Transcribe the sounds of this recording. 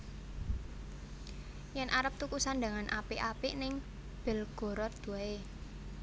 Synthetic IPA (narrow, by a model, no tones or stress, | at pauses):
jɛnʔaɾəp̚t̪ukusand̪aŋanʔapeʔapenɪŋ | b̥ə̤lɡ̥ɔ̤ɾɔt̪̚d̪̥ṳae